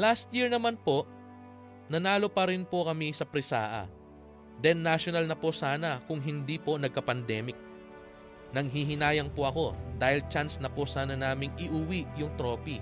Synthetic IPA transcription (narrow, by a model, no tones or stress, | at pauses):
last̪̚jiɹnɐmanpo̞ʔ | nɐnaːlo̞pɐɾɪnpokɐmisɐpɾɪsa̰ːʔɐ̰ | d̪ɛnːaʃonɐlnɐposaːnɐkʊŋɦɪnd̪ipo̞nɐɡ̚kɐpɐnd̪ɛːmɪk̚ | nɐŋɦiɦɪnaːjɐŋpoʔɐko̞d̪aːhɪlt͡ʃansnɐposaːnɐnaːmɪŋɪʔʊwiʔjʊŋt̪ɾo̞ːpi